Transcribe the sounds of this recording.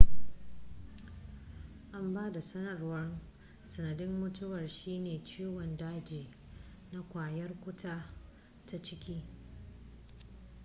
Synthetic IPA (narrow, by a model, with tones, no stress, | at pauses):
ʔa˦mbaː˦da˨sɐ˦nɐ˨rwɐ˦r | sɐ˨nɐ˨dɪ˦mːʊ˦tʊ˦wɐ˨rʃiː˦neː˨t͡ʃiː˦wɔ˨ndaː˦d͡ʒiː˨ | na˦kʷaː˨jɐ˦rkʷʊ˦tʰaː˦ | ta˦t͡ʃɪ˦kʲiː˦